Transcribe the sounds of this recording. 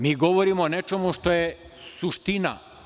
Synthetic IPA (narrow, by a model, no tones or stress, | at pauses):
miːɡo̞ʋoɾimone̞t͡ʃemuʃt̪o̞je | suʃt̪ina̰